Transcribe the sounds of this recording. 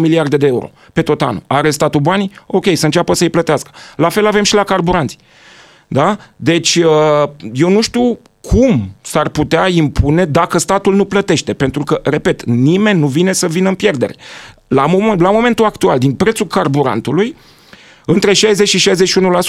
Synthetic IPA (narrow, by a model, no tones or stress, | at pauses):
miliard̪e̞d̪eeuɾo̞̰ | pe̞t̪o̞t̪a̰nuaɾe̞st̪at̪ubanio̞kʲe̞jsəɨnt͡ʃʲapəsəɨjplət̪easkə̥lafe̞lave̞mʃilakarbuɾant̪si | d̪ad̪e̞t͡ʃʲəje̞wnuʃt̪iw | kʰumsarput̪eaimpʰune̞d̪akəst̪at̪ulnuplət̪e̞ʃt̪e̞pe̞nt̪ɾukəre̞pe̞t̪nime̞nʲːuvine̞səvinəɨmpje̞rd̪e̞ɾe̞lamlamo̞me̞nt̪uakt̪uald̪inpɾe̞t̪sulkarbuɾa̰nt̪uluj | ɨnt̪ɾe̞ʃajzet͡ʃʲʃiʃajzet͡ʃʃiunulas